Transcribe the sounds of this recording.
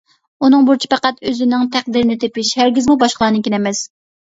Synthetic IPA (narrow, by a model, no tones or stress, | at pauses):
unɨŋbuɾt͡ʃʰi̥pʰɛqæt̪øzɪnɪŋt̪ʰæq̚d̪iɾɪnɪt̪ʰepɪʃhæɾɡʲizmubɑʃqlˠɑːnɨkʲinɛmɛs